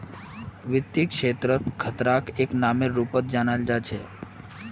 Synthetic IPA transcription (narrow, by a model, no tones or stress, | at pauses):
ʋɪt̪ːikʃet̪ɾət̪kʰət̪ɾakeknameɾupət̪̚d͡ʒanald͡ʒat͡ʃʰe